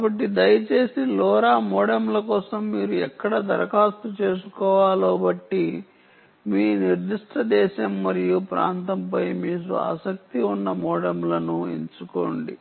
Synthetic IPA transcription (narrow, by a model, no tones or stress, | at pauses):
kaːbɐʈːid̪ɐjɐt͡ʃe̞ːsilɔːɾaːmɔːɽɐmlɐkɔːsɐmːiːɾuɛkːɐɽɐd̪ɐɾɐkaːst̪ut͡ʃe̞ːs̬ukɔːʋaːloːbɐʈːi | miːniɾd̪iʂʈɐd̪ɛːʃɐmːɐɾijupɾa̰ːnt̪ɐmpɐjmiːk̬ṵa̰ːsɐk̚t̪iunːɐmɔːɽɐmlɐnuḛɲt͡ʃuko̰ːɳɖḭ